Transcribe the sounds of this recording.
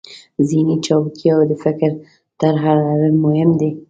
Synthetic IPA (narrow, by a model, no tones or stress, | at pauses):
zinit͡ʃɑbkʰjawd̪əfɪkɾ | t̪əɾɦaɾanawemʊhɪmd̪e